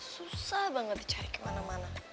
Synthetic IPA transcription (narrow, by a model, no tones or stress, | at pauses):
susabaŋɡad̪it͡ʃʰaɾikʼmanamana